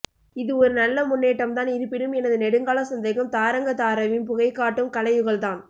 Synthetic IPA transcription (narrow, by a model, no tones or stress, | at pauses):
ɪðɯɔɾɯnɐlːɐmʊnːeːʈːɐmt̪aːnɪɾɯpːɪɽɯmɛnɐðɯnɛɽɯŋɡaːlɐsɐnd̪ɐɪɣɐmt̪aːɾɐŋɡɐt̪aːɾɐʋɪmpʊɣɐɪkːaːʈːɯmkɐlɐjʋɯɣɐɭt̪aːn